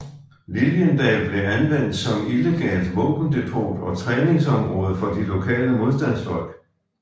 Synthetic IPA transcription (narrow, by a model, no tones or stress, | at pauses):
liljənd̥ɛːb̥le̝ænʋen̰d̥sɒ̽mile̝ɡ̥ɛ̰ːld̥ʋɔ̰̽ːb̥n̩d̥e̝pʰo̰ːd̥ɒ̽t͡sʰʁɛːne̝ŋsɒ̽mʁɔ̽ːð̞ˠəfɒ̽d̥ilo̝kʰɛ̰ːləmo̝ð̞ˠsd̥æn̰sd̥ɒlɡ̥